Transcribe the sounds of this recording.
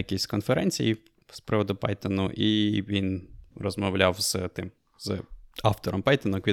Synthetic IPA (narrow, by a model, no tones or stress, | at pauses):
ɐkʲisʲkɔnfeɾɛnʲt͡sʲḭji | spɾɪʋɔd̪ʊpɑ̰jt̪ɔnʊʔiʋʲinrɔzmɐʋlʲawz̥t̪ɪm | z̥ɑft̪ɔɾɔmpɑjt̪ɔnʊkʋʲi